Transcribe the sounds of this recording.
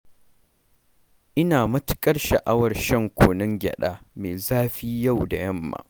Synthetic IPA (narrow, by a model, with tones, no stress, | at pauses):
ʔɪ˦naː˨mɐ˦tɪ̥˦kʼɐ˦rʃɐ̰˨ʔa˦wɐ˨rʃɐ˦˨ŋkʷoː˨nɪ˦ŋɡʲɐ̰˨ɗaː˦meː˨zaː˦ɸiː˦ja˦˨wda̰˨jɐ˦mːa̰ː˨